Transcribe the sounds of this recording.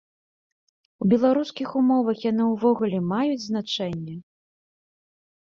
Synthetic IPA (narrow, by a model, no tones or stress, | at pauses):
wbʲɛlˠaɾuskʲixumɔvɐxjanɨwvɔɣulʲɛmajud͡zʲznat͡ʂɛnʲːɛ